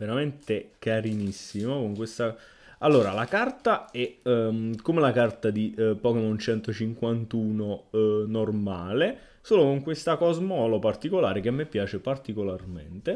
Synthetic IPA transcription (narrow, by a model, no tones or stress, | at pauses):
veɾament̪ekaɾinisːimokoŋkwest̪a | alːoːɾalakart̪aɛ | kːomelakart̪ad̪ipɔkemɔnt͡ʃɛnt̪ot͡ʃiŋkwant̪uːnonormaːle | soːlokoŋkwest̪akɔzmɔːlopart̪ikolaːɾek̟emːepːjaːt͡ʃepart̪ikolarmḛnt̪e